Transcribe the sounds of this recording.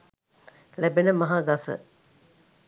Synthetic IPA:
læbenəmɐɦaːɡɐsə̰

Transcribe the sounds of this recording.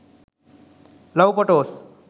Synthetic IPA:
lʌwpʌʈos

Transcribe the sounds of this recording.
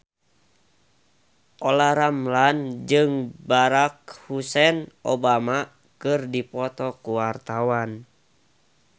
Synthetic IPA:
ʔɔlaɾamland͡ʒɨŋbaɾak̚husɛnʔobama | kɨrdipɔt̪ɔkuwart̪awan

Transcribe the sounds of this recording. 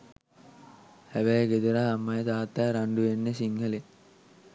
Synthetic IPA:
hæʋæjɡed̪uɾaɦamːɐjəd̪aːt̪ːæːɾaɳɖuʋenːesiŋɡɐle

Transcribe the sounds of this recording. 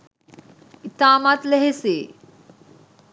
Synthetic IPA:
it̪aːmat̪leɦese

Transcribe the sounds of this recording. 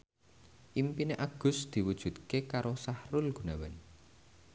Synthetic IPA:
ʔimpineʔaɡ̥ʊ̤sd̪̥i̤wud̥ʒ̥ṳt̪̚kekaɾosahrʊlɡ̥ṳnawɛn

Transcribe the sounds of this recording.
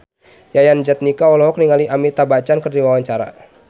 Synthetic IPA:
jajand͡ʒat̪̚nikaɔlɔɦɔk̚niŋaliʔamit̪abat͡ʃankərdiwawaɲt͡ʃaɾa̰

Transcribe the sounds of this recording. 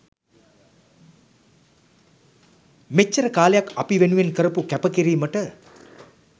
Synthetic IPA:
met͡ʃːəɾəkaːlejakɐpiʋenuʋenkəɾəpukæpəkiɾiːməʈə

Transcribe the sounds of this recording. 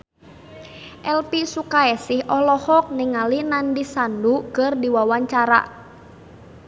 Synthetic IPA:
ʔɛlpisukaɛsɪhʔɔlɔhɔk̚nɪŋalinandisandukərdiwawaɲt͡ʃaɾa̰

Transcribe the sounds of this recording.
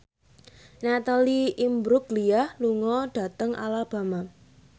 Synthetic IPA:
nat̪aliimbɾʊkliahluŋɔɖ̥a̤t̪əŋa̰lab̥a̤ma

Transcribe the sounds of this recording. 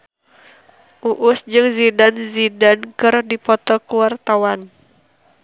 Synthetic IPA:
ʔuʔʊsd͡ʒɨŋzidanzidankɨrdipɔt̪ɔkuwart̪awan

